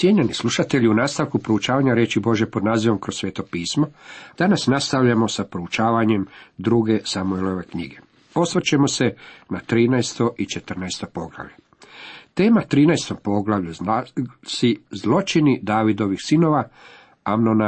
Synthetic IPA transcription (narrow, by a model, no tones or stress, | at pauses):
sjeɲanisluʃat̪e̞ʎiunaːst̪aʋkupɾo̞ut͡ʃaːʋaɲaɾjeːt͡ʃibo̞ʒje̞pod̪naːziʋo̞mkɾo̞sːʋjeːt̪o̞piːsmod̪̥anasnast̪aʋʎamo̞sapɾout͡ʃaːʋaɲe̞md̪ɾuɡe̞samuelo̞ʋe̞kɲḭɡe̞ | po̞sʋt͡ʃemo̞se̞nat̪ɾiːnɛjst̪o̞ʔit͡ʃet̪ər̩najst̪o̞po̞ɡlˠa̰ʋʎe | t̪e̞ːmat̪ɾiːnajst̪o̞mpo̞ɡlaʋʎu | sizlˠo̞t͡ʃinid̪aːʋid̪o̞ʋixsino̞ʋa | amnona